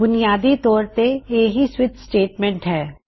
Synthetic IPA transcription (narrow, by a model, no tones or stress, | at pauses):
bʊnijaːd̪it̪ɔːɾt̪eeːɦiswɪt̪sʈeːʈmɛ̃ːɳʈɦɛː